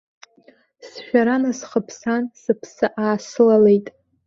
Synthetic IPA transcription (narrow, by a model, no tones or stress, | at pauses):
sʃᶣaɾanasχəpʰsansɨpʰsɨʔaːsɨlalejtʼ